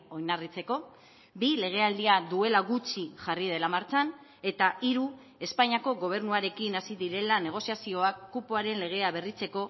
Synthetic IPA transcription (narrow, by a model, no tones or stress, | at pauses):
o̞jnarit͡se̞ko̞ | bile̞ɣ̞e̞ald̪iaðue̞laɣut͡ʃiʝarið̞e̞lamaɾt͡san | e̞t̪aiɾu | e̞spaɲako̞ɣo̞β̞e̞ɾnuaɾe̞kinasiðiɾe̞lane̞ɣ̞o̞siasio̞akːupuaɾe̞nle̞ɣ̞e̞aβe̞rit͡se̞ko̞